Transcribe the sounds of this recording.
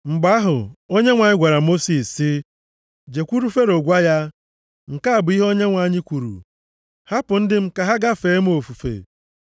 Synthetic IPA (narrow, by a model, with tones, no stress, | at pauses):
ŋ͡m̩˨ɡ͡ba˨˦ɦʊ˨o˦ɲe˦ŋʷa˨ɲɪ˦ɡʷa˨ɾa˨mo˦si˨sːɪ˦ | d͡ʒe˨kʷu˦ɾu˦fe˦ɾo˨ɡʷa˦ja˦ | ŋ̩˨ka˦a˨bʊ˨˦i˦ɦo˦ɲe˦ŋʷa˨˦˨ɲɪ˦kʷu˨ɾṵ˨ | ha˦pʊ˨n̩˦dɪ˦m̩˦ka˨ɦa˦ɡa˦fe˨˦m̩˦o˨fu˨fḛ˨